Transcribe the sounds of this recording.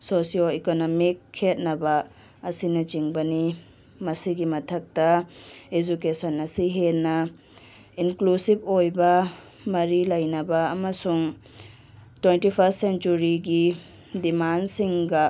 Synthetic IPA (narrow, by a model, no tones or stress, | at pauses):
sosioekonomikʰːet̚nɐbɐː | sinɐt͡ʃiŋbɐni | mɐsiɡimɐtʰɐk̚tɐed͡ʒukesɐnɐsiɦenːɐ | inklusib̚ojbɐ | mɐɾilɐjnɐbɐːmɐsuŋ | twentipʰɐstsent͡ʃuɾiɡi | dimansiŋɡɐ